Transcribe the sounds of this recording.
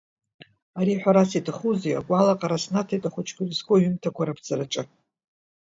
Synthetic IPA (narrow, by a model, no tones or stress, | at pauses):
aɾiħʷᶣaɾasitʰaχuzeja̰kʷʼalaqʼaɾasnatʰajtʼaχʷʊt͡ʃʰkʲʰɨrisɡʰʼoɥʏmtʰakʷʰaɾapʰd͡zaraʈ͡ʂʼɨ